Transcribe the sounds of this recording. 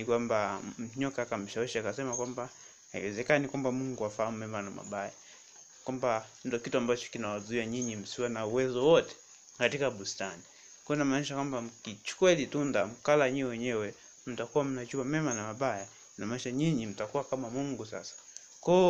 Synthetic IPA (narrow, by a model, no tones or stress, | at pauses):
nikwambam̩ɲɔkaːkam̩ʃawɛʃiakasɛmakwamba | haḭwɛzɛkanikwambamuŋɡuafahamumɛmanama̰ɓaja | kwamban̩dɔkituambat͡ʃɔ̥kinawazuiaɲiɲim̩siwanauwɛzɔwɔtɛ̥ | katikaɓustani | kunamaːniʃakwambam̩kit͡ʃu̥kwɛlitundam̩kalaɲiwɛwɛɲɛwɛ | m̩takuwam̩nat͡ʃuamɛmanamaɓaja | namaːniʃaɲiɲim̩takuwakamamuŋɡusa̰sḁ | kɔ